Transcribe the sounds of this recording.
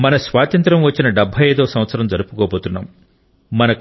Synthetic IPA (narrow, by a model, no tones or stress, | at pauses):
mɐnɐsʋaːt̪ɐnt̪ɾɐmʋɐt͡ʃːinɐɖɐbʱɐjeːd̪ɐːɐsɐ̃mʋɐt̪sɐɾɐmd͡ʒɐɾupu̥koːboːt̪unːa̰ːm | mɐnɐ